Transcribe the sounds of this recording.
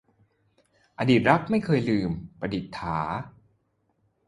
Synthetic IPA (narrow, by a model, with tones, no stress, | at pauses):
ʔa˧diː˨˩t̪̚ɾa˦˥k̚ma˥˩jkʰɤː˧jlɯː˧mpɾa˧di˨˩t̪ʰːaː˩˦